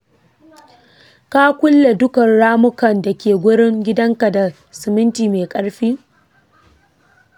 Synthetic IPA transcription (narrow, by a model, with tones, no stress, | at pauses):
ka˦kʷʊ˦lːe˨dʊ˦kɐ˨nɽaː˦mʊ˦kɐ˨nda˨kʲeː˨ɡʷʊ˦ɽɪ˦ŋɡʲɪ˦dɐ˦ŋka˨da˨ | sɪ˨mɪ˦ntiː˨meː˨kʼɐ˦ɽɸiː˦